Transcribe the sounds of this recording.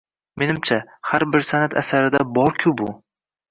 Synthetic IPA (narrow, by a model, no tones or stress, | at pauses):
me̞nɪmt͡ʃʰahaɾbɪɾsanat̪ʰa̰saɾɪd̪abɒɾkʲʰʊbʊ